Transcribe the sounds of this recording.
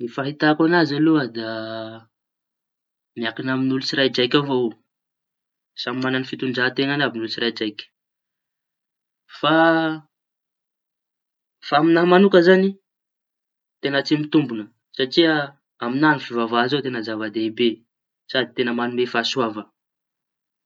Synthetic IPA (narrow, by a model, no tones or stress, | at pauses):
nifaɦit̪akanazaluad̪a | mjakinaminulut͡siɾajd͡ʒajkʲavo | samimananifit̪uɳɖ͡ʐaɦt̪eŋanabinulut͡siɾajd͡ʒajkʲ | fa | faaminaɦmanukəzani | t̪enət͡simit̪umbunə | saʈ͡ʂiə | aminanifivavaɦzot̪enəzavad̪eibe | sad̪it̪enəmanumefasuavə